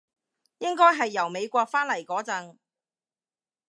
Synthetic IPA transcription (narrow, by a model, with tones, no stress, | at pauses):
jɪ˥ŋkɔː˥jɦɐ˨jːɐ˨˩wme˨˧jkʷɔː˧k̚faː˥nlɐ˨˩jkɔː˨˥t͡sɐ˨˧ŋ